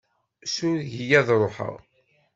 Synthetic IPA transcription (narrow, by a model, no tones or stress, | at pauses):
sʊɾʝijæðɾˤoħə̰ʁ